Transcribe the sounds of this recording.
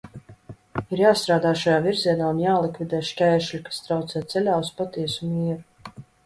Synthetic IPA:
iɾjaːst̪ɾaːd̪aːʃajaːviɾziɛnaːunjaːlˠikvʲid̪ɛːʃkʲɛjʃlʲikḁst̪ɾawt̪sɛːt̪sɛlʲaːuspat̪iɛsumiːɛɾu

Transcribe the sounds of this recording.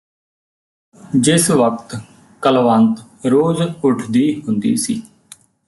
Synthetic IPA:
d͡ʒɪsʋək̚t̪ | kəlʋənt̪ | ɾoːzʊʈʰd̪iːɦʊnd̪ḭːsḭː

